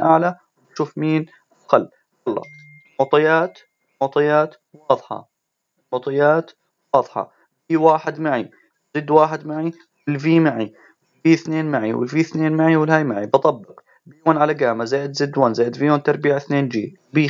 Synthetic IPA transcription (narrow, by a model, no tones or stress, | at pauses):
ʔaʕla | wʃuːfmiːn | ʔaqalː | wɑlˤːɑ̰ | mʊʕt̪ˤɑjaːt̪ | mʊʕt̪ˤɑjaːt̪ | wɑːðˤħɑ̰ | mʊt̪ˤɑjaːt̪ | wɑːðˤħɑ̰ | biːwaːħɪd̪maʕi | wzɪd̪ːwaːħɪd̪maʕi | wɪlviːmaʕi | wɪlviːθneːnmaʕḭwɪ̰lviːθneːnmaʕiwɪlhaːjmaʕibɨt̪ˤɑbːɪq | biːwaːnʕalaɡaːmazaːʔɪd̪zɪd̪waːnzaːjʔɪd̪vijoːnt̪ɑɾˤbiːʕaθneːnd͡ʒḭː | biː